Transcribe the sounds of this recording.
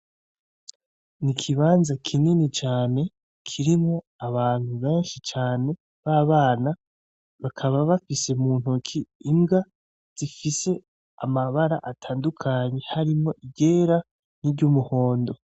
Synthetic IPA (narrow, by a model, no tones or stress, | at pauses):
nikʰiβaːnzakʰininit͡ʃaːne̞ | kʰiɾimŋo̞ | aβaːn̥huβe̞ːnʃit͡ʃaːne̞ | βaːβaːna | βakʰaβaβafise̞muːn̥hukʰiːmɡa | z̥ifise̞ | amaβaɾaʔatʰaːndukʰaɲe̞haɾimŋo̞ʔiɡe̞ːɾa | niɾɟumuho̞ːndo̞